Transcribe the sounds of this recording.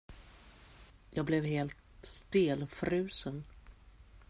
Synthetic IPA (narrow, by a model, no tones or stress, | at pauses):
jɑːɡ̚blɛvɦeːlt̪st̪eːlfɾʉ̟ːsən